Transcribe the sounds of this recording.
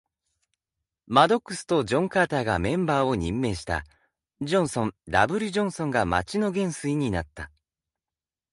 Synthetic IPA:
mad̪o̞kːɯ̟sɨ̥t̪o̞d͡ʑõ̞ŋkaːt̪aːɡamẽ̞mbaːo̞ɲ̟ĩmːe̞ːɕi̥t̪a̰ | d͡ʑõ̞ɰ̃sõ̞nd̪a̰bɯ̟ɾʲɯʑõ̞ɰ̃sõ̞ŋɡama̰t͡ɕinoɡẽ̞ɰ̃sɨiɲ̟inat̪ːa

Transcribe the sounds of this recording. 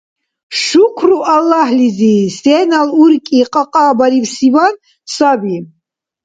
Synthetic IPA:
ʃukʷʰruʔalːahlizisɛnaluɾkʼiqʼɑqʼaːbaɾiwsivan | sabi

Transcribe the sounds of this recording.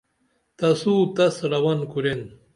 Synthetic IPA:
t̪ɐsuːt̪ɐsɾɐwɐnkuɾen

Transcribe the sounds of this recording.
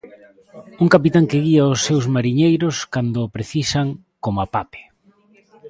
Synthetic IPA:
uŋkapit̪aŋkɪɣiaʊsːewzmaɾiɲejɾʊskand̪ʊpɾeθisaŋ | komapape̥

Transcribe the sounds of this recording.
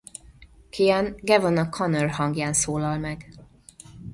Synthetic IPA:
kʰijɛnɡɛvonɒkʰɒnørɦɒŋɡjaːnsoːlɒlmɛɡ

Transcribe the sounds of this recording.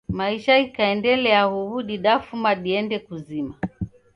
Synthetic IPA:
maiʃaikaɛndɛlɛahuβuɗiɗafumaɗiɛndɛkuzima

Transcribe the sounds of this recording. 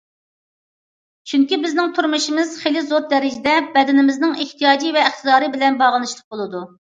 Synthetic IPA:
t͡ʃʰyŋkʲibɪznɪŋt̪ʰuɾmuʃimɪz̥χelɪzoɾd̪ɛɾɪd͡ʒɪd̪ɛbɛd̪ɪnɪmɪznɪŋeht̪ʰijɑːd͡ʒivɛɪχt̪ʰɨd̪ɑːɾɨbɪlɛnbɑʁəlˠɨʃlˠə̥q̚bolˠɨd̪u

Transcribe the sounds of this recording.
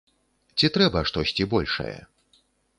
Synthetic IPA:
t͡sʲit̪ɾɛbɐʂt̪ɔsʲt͡sʲibɔlʲʂɐ̰jɛ̰

